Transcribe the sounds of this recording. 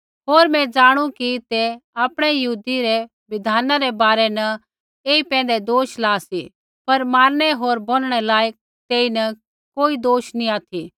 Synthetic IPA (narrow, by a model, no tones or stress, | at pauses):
ɦoːɾmɛ̃d͡ʒaːɽ̃ũkit̪eaːpɽ̃ɛjɐɦuːd̪iɾɛ | ʋɪd̪ʱaːnaɾɛbaːɾɛnɐ | eːipɛ̃ːn̆d̪ɛd̪oːʃlaːsi | pɐɾmaːɾɽ̃ɛɦoːɾboːlɽ̃ɛlaːjək̚ | t̪eːinɐ | koːid̪oːʃniaːt̪ʰi